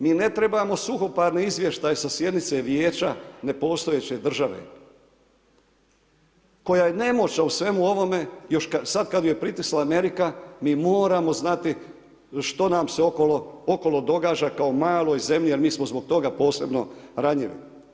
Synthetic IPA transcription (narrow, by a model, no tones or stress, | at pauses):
miːne̞t̪ɾe̞bamo̞suxo̞paɾneizʋje̞ʃt̪ajesasje̞d̪nit̪se̞ʋjeːt͡ʃane̞po̞ːst̪o̞jet͡ɕe̞d̪r̩ʒaʋḛ | ko̞jajene̞mo̞t͡ʃnausʋe̞muo̞ʋo̞me̞jo̞ʃkasad̪kad̪oje̞pɾit̪islaːme̞ɾikamiːmoːɾamo̞znat̪i | ʃt̪o̞namseokolooko̞lˠo̞d̪o̞ɡaːd͡ʒakao̞maːlˠo̞jze̞mʎijeɾmiːsmozbo̞ɡ̚t̪o̞ɡapo̞ːse̞bno̞̰ɾaɲiʋḭ